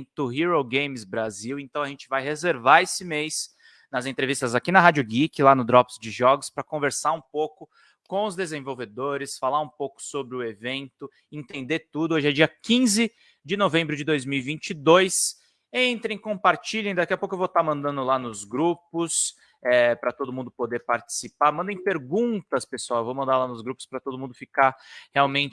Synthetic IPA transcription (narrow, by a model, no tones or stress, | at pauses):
t̪ʊɦiɾoɡẽj̃mɪzbɾaziwẽnt̪ɐ̃w̃ɐʒẽnt͡ʃɪvajhezeɾvaesɪmejs | nɐzẽt̪ɾevist̪ɐzakinɐɦad͡ʒʊɡikɪlanʊd̪ɾɔpsd͡ʒɪʒɔɡʊspɾɐkõveɾsaɾũpowkʊ | kõʊzd̪ezẽvowved̪oɾɪsfalaɾũpowkʊ̥sobɾɪʊevẽnt̪ʊ | ẽnt̪ẽnd̪et̪ud̪ʊoʒɪɛd͡ʒiɐkĩzɪ | d͡ʒɪnovẽbɾʊd͡ʒɪd̪ojzmiwivĩnt͡ʃɪd̪ojs | ẽnt̪ɾẽj̃kõpaɾt͡ʃiʎẽj̃d̪akiɐpokʊewvot̪amɐ̃nd̪ɐ̃nd̪ʊlanʊzɡɾupʊs | ɛpɾɐt̪od̪ʊmũnd̪ʊpod̪eɾpaɾt͡ʃi̥sipaɾmɐ̃nd̪ẽj̃peɾɡũnt̪ɐspesuawevowmɐ̃nd̪aɾlanʊzɡɾupʊ̥spɾɐt̪od̪ʊmũnd̪ʊfikaɾheawmẽnt͡ʃɪ